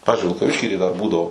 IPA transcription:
ˈpɑːʋʲɪzʲd͡ʒʲʊɪ ʋʲɪlˠkɐˈʋʲɪʃʲkʲiː tɐɪ dɐr ˈbuːdɐʋoː

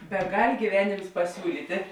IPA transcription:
bʲɛˈɡɐlʲ ɡʲiːˈʋʲæːnʲeːms pɐˈsʲuːlʲiːtʲɪ

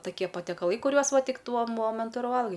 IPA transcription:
tɐˈkʲiɛ pɐtʲiɛkɐˈlˠɐɪ kʊˈrʲuɔs ˈʋɐ ˈtʲɪk ˈtuɔ ˈmoːmʲɛntʊ ɪr ˈʋɐlˠɡɐɪ

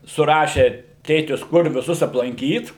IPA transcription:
sʊˈrɑːʃʲeː ˈtʲeːtʲɪs ˈkʊr ʋʲɪˈsʊs ɐplˠɐŋʲˈkʲiːt

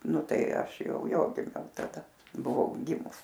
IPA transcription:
ˈnʊ ˈtɐɪ ˈɐʃ ˈjɛʊ ˈjoː ɡʲɪˈmʲɛʊ tɐˈdɐ bʊˈʋɐʊ ˈɡʲɪmʊs

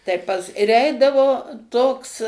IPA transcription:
tɐɪ ˈpɐs ɪr ˈɛɪdɐʋoː ˈtoːks

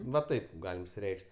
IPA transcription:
ʋɐ ˈtɐɪp ˈɡɑːlʲɪm ɪʃʲsʲɪˈrʲɛɪkʃʲtʲ

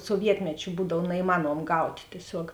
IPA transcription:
suɔˈʋʲiɛtʲmʲɛt͡ʃʲʊ ˈbuːdɐw nɐɪˈmɑːnuɔm ˈɡɐʊtʲ tʲiɛˈsʲoːk

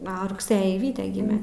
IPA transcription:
ˈoː rʊkˈsɘjiː ˈʋʲiːtʲɛ ˈɡʲɪmʲɛ

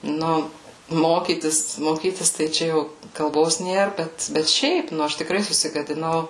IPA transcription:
ˈnʊ ˈmoːkʲiːtʲɪs moːˈkʲiːtʲɪs tɐɪ ˈt͡ʃʲɛ jɛʊ kɐlˠˈboːs ˈnʲeːr ˈbʲɛt bʲɛt ˈʃʲɛɪp ˈnʊ ˈɐʃ tʲɪkˈrɐɪ sʊsʲɪɡɐdʲɪˈnɐʊ

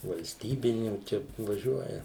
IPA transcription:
ʋɐlʲsʲˈtʲiːbʲɪnʲuː ˈt͡ʃʲɛ ʋɐˈʒʲuɔjɛ

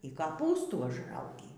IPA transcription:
iː kɐˈpuːstuː ʊʒˈrɐʊɡʲiː

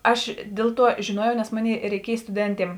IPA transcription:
ˈɐʃ ˈdʲeːlˠ ˌtuɔ ʒʲeːˈnuɔjɛʊ nʲɛs ˈmoːˌnʲeːɪ rʲɛɪˈkʲiɛj stʊˈdʲɛnʲtʲiɛm

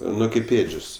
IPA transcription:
ˈnʊ kɐɪp ˈeːd͡ʒʲoːs

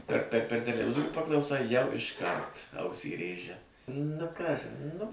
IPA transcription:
pʲɛr pʲɛr ˈpʲɛr tʲɛlʲɛˈʋʲɪzoːrʲuː pɐklˠɐʊˈsɐɪ jɛʊ ɪʃˈkɐrt ˈɐʊsʲiː ˈrʲeːʒʲɛ nʊ ˈkɑːʒʲɪn ˈnʊ

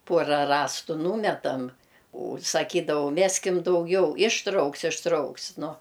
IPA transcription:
ˈpuɔrɐ ˈrɑːstʊ ˈnuːmʲɛtɐmʲ ʊ sɐˈkʲiːdɐʋɐʊ ˈmʲæːsʲkʲɪm dɐʊˈɡʲɛʊ ɪʃˈtrɐʊks ɪʃˈtrɐʊks ˈnʊ

